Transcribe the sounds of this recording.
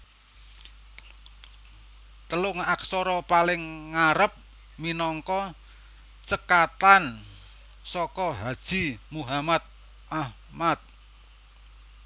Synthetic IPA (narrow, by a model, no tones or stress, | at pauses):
t̪əlʊŋaksɔɾɔpalɪŋːaɾəp̚ | minɔŋkɔ | t͡ʃəkat̪an | sɔkɔɦad̥ʒ̥i̤muɦamat̪̚ | ʔah | mat̪̚